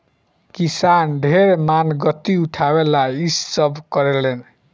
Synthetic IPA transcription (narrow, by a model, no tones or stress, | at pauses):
kisanɖʱeɾmanɡʌt̪ːiuʈʰawelaisːʌbkʌɾelen